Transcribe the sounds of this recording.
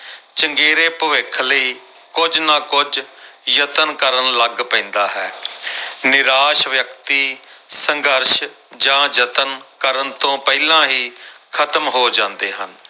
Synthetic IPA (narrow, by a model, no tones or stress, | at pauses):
t͡ʃəŋɡeːɾeːpəʋɪkʰləiː | kʊd͡ʒnãːkʊd͡ʒjət̪ənkəɾənləɡpɛ̃ːnd̪aːɦɛː | nɪɾaːʃʋjəkt̪iːsəŋɡəɾʃ | d͡ʒãːd͡ʒət̪ənkəɾənt̪õːpɛilãːɦiːkʰət̪əmɦoːd͡ʒãːnd̪eːɦən